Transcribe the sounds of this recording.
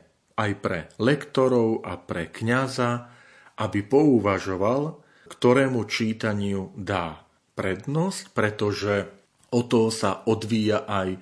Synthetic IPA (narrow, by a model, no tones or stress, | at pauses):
ʔajpɾɛ̰lɛkt̪ɔɾɔʊa̰pɾɛkɲaza | ʔabipɔuʋaʒɔʋal | kt̪ɔɾɛːmut͡ʃiːt̪aɲɪud̪aː | pɾɛd̪nɔscpɾɛt̪ɔʒɛ | ɔt̪ɔsaɔd̪ʋiːjaʔaj